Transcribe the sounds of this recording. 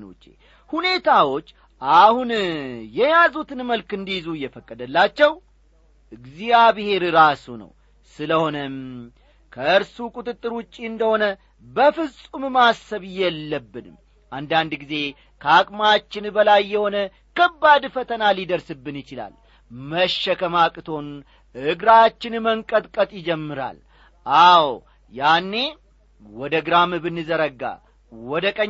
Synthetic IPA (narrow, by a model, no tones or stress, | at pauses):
no̰t͡ʃːḛ | hune̞t̪ʰawo̞t͡ʃː | ʔahunjɛjazut̪ʰɨnməlkɨnd̪ijzujːɛfəkʼːəd̪əlːat͡ʃːɛw | ʔɨɡzijaβɨhe̞ɾɾasunə̰w | sɨləho̞nəm | kʰəɨɾsukʼut̪ʼɨt̪ʼːɨɾwʊt͡ʃʼːiɨnd̪əho̞nə | bəfɨsʼummasːəβɨjːɛlːəbːɨnɨm | ʔand̪and̪ɡize̞ | kʰakʼmat͡ʃːɪnbəlajːɛho̞nə | kəbːad̪fət̪ʰənalid̪əɾsɨbːɨnjɪt͡ʃɪla̰l | məʃːɛkʰəmakʼɨt̪ʰo̞n | ɨɡɾat͡ʃːɪnməŋkʼət̪ʼkʼət̪ʼjɪd͡ʒɛmːɨɾa̰l | ʔaw | janːe̞ | wɔd̪əɡɾamɨbɨnːɨzəɾəɡːa̰ | wɔd̪əkʼə